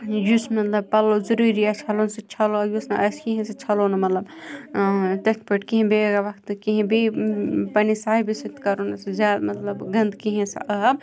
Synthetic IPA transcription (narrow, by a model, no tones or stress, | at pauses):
jusmɐt̪lɐb̚pɐlozɐɾuɾiat͡ʃʰɐlonsɐt͡ʃʰɐloɐjusnɐʔɐskiɦẽsɐt͡ʃʰɐlonɐmɐt̪lɐb | t̪ɐt̪̚pɐʈkiɦĩbeɡaʋɐkʰt̪kiɦẽbepɐnisaːɦibisit̪kɐɾonɐsɐzjaːd̪mɐt̪lɐbɡɐnd̪kiɦẽsɐ̰ʔɐb̚